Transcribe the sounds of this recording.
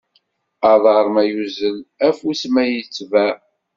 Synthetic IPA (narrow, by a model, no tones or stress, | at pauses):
ɑðˤəɾˤmæjuzəlæfusmæjət͡sːvæ